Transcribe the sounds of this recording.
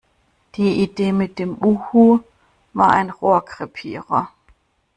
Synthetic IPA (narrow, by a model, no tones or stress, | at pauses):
d̥eid̥emed̥emuhu | ʋɑ̈enʁoɐ̰kʰʁɛpʰiʁɐ